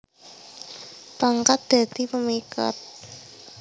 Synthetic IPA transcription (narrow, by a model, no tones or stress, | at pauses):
paŋkat̪̚d̪̥a̤d̪̥i̤pəmika̰t̪̚